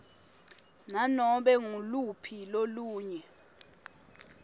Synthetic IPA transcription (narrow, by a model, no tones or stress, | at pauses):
nanɔɓɛŋulupʰiloluːɲɛ